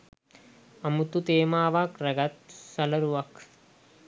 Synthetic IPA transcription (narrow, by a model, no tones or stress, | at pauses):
ɐmut̪ut̪eːmaːʋaːkrɐɡɐt̪sɐlɐɾuʋak